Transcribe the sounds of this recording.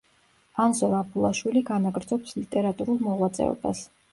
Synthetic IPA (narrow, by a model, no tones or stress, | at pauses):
anzɔɾapʰulˠaʃwiliɡanaɡɾd̪zɔpslit̪ʼɛɾat̪ʼuɾulˠmɔʁwat̪sʼɛ̰ɔ̰bas